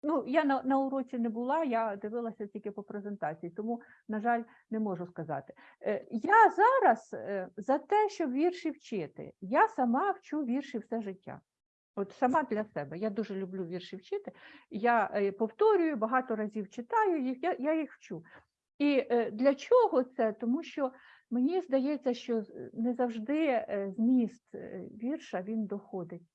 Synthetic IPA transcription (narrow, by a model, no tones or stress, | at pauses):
nujanɐnɐʊɾɔt͡sʲinɛbʊlˠɑjad̪ɪʋɪlˠɐsʲɐtʲilʲkʲɪpɔpɾezent̪ɑt͡sʲijit̪ɔmu | nɐʒɑlʲ | nɛmɔʒʊskɐzɑ̰t̪ɪ̥ | jazɑɾɐszɐt̪ɛʃt͡ʃɔbʋʲirʃiwt͡ʃɪt̪ɪ̰jasɐmɑwt͡ʃuʋʲirʃiwsɛʒɪtʲːa̰ | ɔt̪sɐmɑd̪lʲɐsɛbɛjad̪uʒɛlʲʊblʲuʋʲirʃiwt͡ʃɪt̪ɪjapɔwt̪ɔɾʲʊjʊbɐɦɑt̪ɔɾɐzʲiwt͡ʃɪt̪ɑjʊjixjajajixwt͡ʃu | id̪lʲɐt͡ʃʲɔɦɔt̪sɛt̪ɔmuʃt͡ʃɔ | menʲizd̪ɐjɛt͡sʲːɐʃt͡ʃɔnɛzɐwʒd̪ɪzmʲist̪ʋʲirʃɐʋʲind̪ɔxɔd̪ɪtʲ